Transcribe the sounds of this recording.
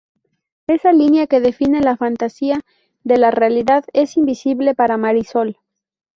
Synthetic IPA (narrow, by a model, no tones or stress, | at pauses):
e̞salinjake̞ðe̞fine̞lafant̪asia | ðe̞larealiðaðe̞simbisiβle̞paɾamaɾiso̞l